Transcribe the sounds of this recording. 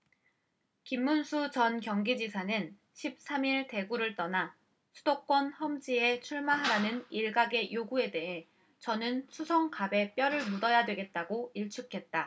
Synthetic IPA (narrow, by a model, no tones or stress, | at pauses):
kimːunsʰut͡ɕʌnkjʌŋɡid͡ʑisʰanɯn | ɕʰip̚s͈ʰamiɭte̞ɡuɾɯɭt͈ʌna | sʰudok̚k͈wʌnhʌmd͡ʑie̞t͡ɕʰuɭmaɦaɾanɯniɭɡaɡe̞joɡue̞de̞ɦe̞ | t͡ɕʌnɯnsʰusʰʌŋkabe̞p͈jʌɾɯɭmudʌjadwe̞ɡe̞t̚t͈aɡoiɭt͡ɕʰukʰe̞t̚t͈a